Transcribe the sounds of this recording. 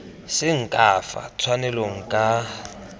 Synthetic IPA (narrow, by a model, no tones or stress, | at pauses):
sɪŋ̩kʼafa̰t͡sʰwanɛloŋ̩kʼa